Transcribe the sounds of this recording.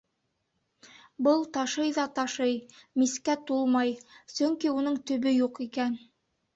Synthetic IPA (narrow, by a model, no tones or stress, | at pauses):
bɤlˠt̪ɑʃɤjðɑt̪ɑʃɤjmiskæt̪ulˠmɑjsɵŋkiunɤɴt̪ɵ̆βɵjuqikæn